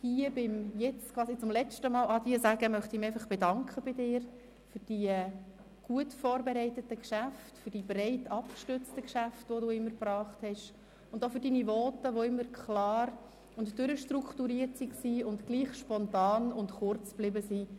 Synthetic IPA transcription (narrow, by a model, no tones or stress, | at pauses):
hiəbɪmjɛt͡skʰʋɑːsit͡sʊmlɛt͡ʃtəmɑːlɑd̥iːəsæɡəmœχtɪmɪɛɪfɑχb̥ɛdɑŋkχəb̥ɪdɪːɾ | fʏɾd̥iə | ɡ̥uətfɔːɾbɛɾɛɪtətəkʃæftfʏɾd̥iːb̥ɾɛɪtɑp̚kʃtʏɾt͡stəkʃæftʋoduːɪmːəɾpɾɑːχthɛʃ | ʊndofʏɾdiːniʋɔːtəʋoɪmːəɾkʰχlɑːɾ | ʊntdʏɾəʃtɾukχtuɾiːətsiksiːʊndɡ̥liːχʃpɔntɑːnʊntχʊɾt͡sb̥lɪbəsiː